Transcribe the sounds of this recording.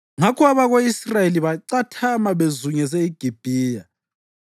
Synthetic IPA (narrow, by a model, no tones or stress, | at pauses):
ŋakʰɔaβaɣoisrajeliβaǀatʰamaβezuɲɛs̬ɛiɡ̥ʱib̥ʱiːja